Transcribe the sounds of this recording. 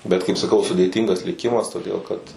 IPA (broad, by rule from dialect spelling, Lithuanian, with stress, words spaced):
bʲɛt kɐɪp sɐˈkɐʊ sʊdʲeːˈtʲiːŋɡɐs lʲɪˈkʲɪmɐs toːˈdʲeːlˠ kɐt